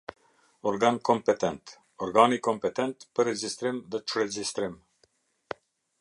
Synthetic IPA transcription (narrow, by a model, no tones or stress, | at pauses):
ɔɾɡankɔmpɛt̪ɛnt̪ | ɔɾɡanikɔmpɛt̪ɛnt̪pəɾɛd͡ʒist̪ɾimðɛt͡ʃɾɛd͡ʒist̪ɾim